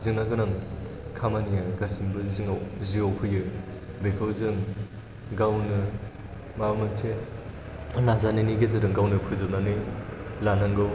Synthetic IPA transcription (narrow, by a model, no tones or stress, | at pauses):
zɯŋnaɡɯnɯŋkʰamanijaɡasimbɯziŋawziowkʰɯjɯ | bekʰɯwzɯŋ | ɡawnɯ | mamɯtʰe | nazaniniɡezɯɾɯŋɡawnɯpʰɯzɯp̚nanɯlanaŋɡɯw